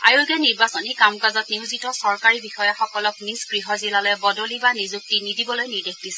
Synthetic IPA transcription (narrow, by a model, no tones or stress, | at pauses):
ajuɡɛniɹbasɔnikamkazɔtniwzitɔsɔɹkaɹibixɔjaxɔkɔlɔknisɡ̥ɹiɦɔzilalɔjɛbɔdolibanizuk̚tinidʱibɔlojniɹdexdisɛ